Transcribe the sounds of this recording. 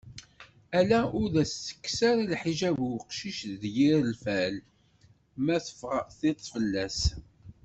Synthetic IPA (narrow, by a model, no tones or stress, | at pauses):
ælæʔʊɾðæsːə̥kːsaɾalħiʒævwqʃiʃðjiɾəlfæl | mæθə̥fʁəθɪt̪ˤːfəlːæs